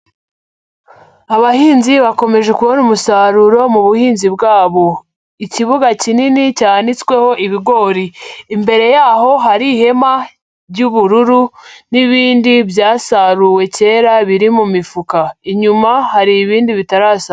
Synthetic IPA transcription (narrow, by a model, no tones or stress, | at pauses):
aβahiːnziβako̞me̞ʒe̞kuβonumusaɾuɾo̞muβuhiːnzibɡaːβo̞ | iciβuɡacininicandit͡skwe̞ho̞ʔiβiɡo̞ɾiːmbe̞ɾe̞jaːɦo̞ɦaɾihe̞ma | ɾɟuβuɾuɾuniβiːndiβjaːsaɾuwe̞ce̞ːɾaβiɾimumifukaiɲumahaɾiːβiːndiβitaɾaːs